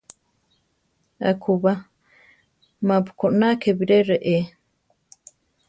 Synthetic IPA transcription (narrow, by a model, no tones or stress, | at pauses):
a̰kʰuβa | mabukoʔnakʰebiɾeɾeʔe